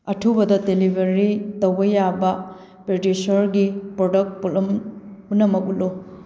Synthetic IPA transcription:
ɐtʰubɐdɐdelibʱɐɾitɐwbɐjabɐ | pɾedisɐɾɡipɾodɐk̚t̚pulɐmunɐmɐk̚ulo

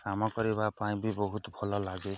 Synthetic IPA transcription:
amɔkʌɾibapaĩbibɔɦut̪bʱɔlɔlaɡe

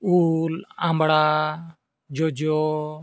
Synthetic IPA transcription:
ulãmbɽaː | d͡ʒod͡ʒɔ

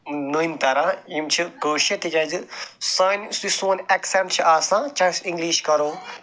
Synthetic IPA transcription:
nuint̪ɐɾajimt͡ʃʰiɡoːʃet̪id͡ʒɐd͡ʒɨsaːnsisoːnɛksɛʈt͡ʃʰiʔaːsãːt͡ʃaːsĩŋɡliːʃkɐɾoː

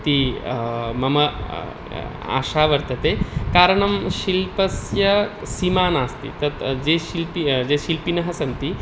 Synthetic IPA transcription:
t̪i | mɐmɐ | a̰ːʃaːʋɐɾt̪ɐt̪eːkaːɾɐɳɐmʃilpɐsjɐ | simaːnaːst̪ḭt̪ɐt̪d͡ʒeːʃilpid͡ʒeːʃilpinɐɦɐsɐnt̪i

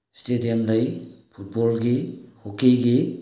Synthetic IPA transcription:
stedijamlɐjpʰut̚bɔlɡihokejɡi

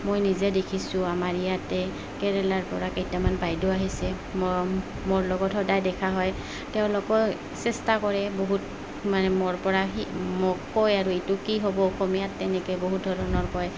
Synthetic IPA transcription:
mojnizɛdekʰisʊ̃amaɹijatɛ | kɛɹɛlaɹpɔɹakejtjamanbajdɔaɦisɛ | m | moɹlɔɡɔtʰhɔdajdɛkʰaɦɔj | tɛʊ̃lʊkɔ | sɛstakɔɹɛboɦut | manɛmɔɹpɔɹaɦimɔkɔjaɹuetʊkiɦobɔɔxomijatːɛnɛkɛjboɦut̚dʱɔɹɔnɔɹkɔj

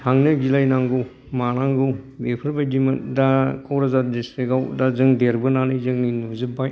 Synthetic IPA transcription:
taŋnɯɡilajnaŋɡɯw | manaŋɡɯwbepʰɯɾbadimɐndakʰawɾazadeseɡawdazɯŋdeɾbɯnanɯjzɯŋninuzɯbaj

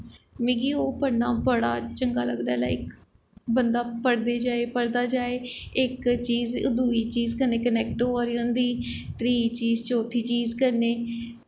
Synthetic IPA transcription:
mẽːɡiːoːpəɽnaːbəɽa̰ːt͡ʃəŋɡaːləɡd̪aːla̰ːɪk | bənd̪aːpəɽd̪eːd͡ʒaːeːpəɽd̪aːd͡ʒaːeːɪkt͡ʃiːzd̪uːiːt͡ʃiːzkəɾneːkənɛːk̚ʈːaːɾiːõːnd̪iːt̪ɾiːt͡ʃiːzt͡ʃoːt̪ʰiːt͡ʃiːzkəɾneː

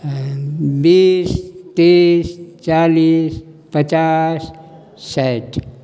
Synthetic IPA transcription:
biːst̪ist͡ʃaliːs | pət͡ʃasː | ɛʈ

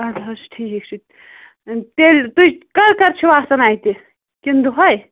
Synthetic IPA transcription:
ɐd̪ɐsʈʰiːkikt͡ʃʰu | t̪elʲt̪uikɐɾkɐɾt͡ʃʰiʋasɐnaːjt̪i | kind̪uɦoj

